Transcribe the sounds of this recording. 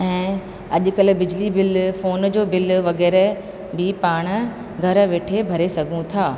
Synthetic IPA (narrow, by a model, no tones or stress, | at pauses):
ɛ̃ː | ɐʄʊ̆kɐl̆bɪd͡ʑlibɪlfoːnd͡ʑoːbɪlʋɐɣɛːɾe | bipaːɽ̃̆ | ɡʱɐɾʋeːʈʰebʱɐɾesɐɡʱũt̪ʰaː